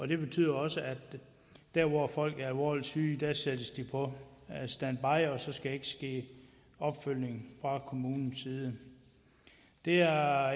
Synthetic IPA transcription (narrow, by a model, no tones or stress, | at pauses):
ɒ̽d̥e̝b̥e̝t͡sʰy̰ð̰ˠɐɒ̽səæ̥ | d̥æɐʋɒfɒ̽l̰ɡ̥æɐælʋɒlsyːd̥æsed̥əsd̥ipʰɒ̽sd̥ænb̥ɑ̈ɪ̰ɒ̽sɒ̽sɡ̥æe̝ɡ̥əsɡ̥e̝̰ː | ɒ̽b̥føl̰ne̝ŋfʁɑ̈kʰo̝muːnn̩siːð̞ˠə | d̥e̝æɐ